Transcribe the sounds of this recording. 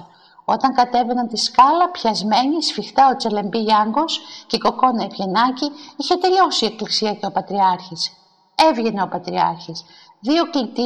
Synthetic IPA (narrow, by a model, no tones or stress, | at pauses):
o̞t̪ɐŋkɐt̪e̞venɐnt̪iskɐlɐpçɐzme̞ɲisfixt̪ɐo̞t͡se̞le̞mbiʝɐŋɡo̞sceko̞ko̞nɐivʝe̞nɐciiçe̞t̪eɾio̞sieklisiɐce̞o̞pɐt̪ɾiɐɾçis | e̞vʝe̞ne̞o̞pɐt̪ɾiɐ̰ɾçis | ðio̞klit̪i